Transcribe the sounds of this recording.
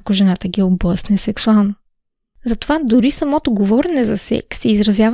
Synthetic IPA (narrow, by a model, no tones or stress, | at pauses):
koʒɛnat̪əɡʲioblˠəsnɛsɛksualˠno | zɐt̪ovad̪ʊɾisɐmɔt̪ʊɡovɔɾɛnɛzɐsɛ̰ksɛizɾɐzʲjav